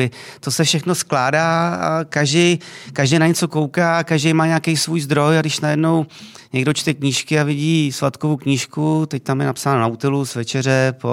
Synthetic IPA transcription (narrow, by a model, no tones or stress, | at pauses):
ɪt̪o̞sɛfʃɛxno̞sklaːda̰ːkaʒdɛjkaʒdɛjnaɲɛt͡so̞ko̞wkaːkaʒdejmaːɲakejsvuːjzd̪ɾo̞jadɪʃnajɛdno̞w | ɲɛɡdot͡ʃt̪ɛkɲiːʃkɪavɪɟiːsvat̪kovukɲiʃkut̪ɛc̚t̪amjɛnapsaːnonaut̪ɛlusvɛt͡ʃɛr̝ɛpo